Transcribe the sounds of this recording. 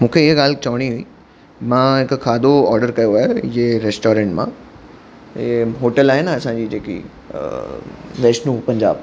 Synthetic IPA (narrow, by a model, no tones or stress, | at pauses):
mũːkʰeɪɦɠaːl̤t͡ɕɐʋəɽ̃iɦʊiː | mãɦɪkkʰaːd̪oɔːɾɖəɾkɐjoaːɦjoeɾeːsʈoːɾẽːɳʈmã̰ | eɦoːʈəlaːɦenɐsãɲd͡ʑiːd͡ʑeːkḭ | ʋeːsnũːpɐ̃ɲd͡ʑa̰ːb